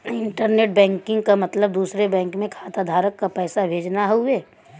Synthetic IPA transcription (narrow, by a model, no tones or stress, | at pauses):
ɪ̃ɳʈəɾneːʈ̚bɛ̃ːŋkɪ̃ŋɡkamɐt̪ləb̚d̪uːsɾebɛ̃ːŋkmẽkʰaːt̪ad̪ʱaːɾəkːapɛːsabʱeːd͡ʒnaɦoeː